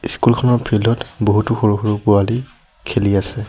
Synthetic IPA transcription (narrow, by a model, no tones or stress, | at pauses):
iskulkʰɔnɔpʰilɔtboɦutuxoɹuxoɹuɡuali | kʰeliasɛ